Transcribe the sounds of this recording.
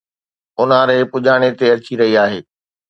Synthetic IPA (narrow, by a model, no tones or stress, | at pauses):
ʊnaɾeːpʊʄaːɽ̃et̪eɐt͡ɕiɾɐɦiaːɦḛː